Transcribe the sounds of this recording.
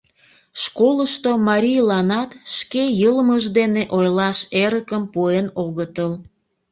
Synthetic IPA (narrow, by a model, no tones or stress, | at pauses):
ʃkoləʃt̪omɑɾʲijlɑnɑt̪ʃkejəlməʒd̪eneʔojlɑʃeɾəkəmpuenoɣət̪əl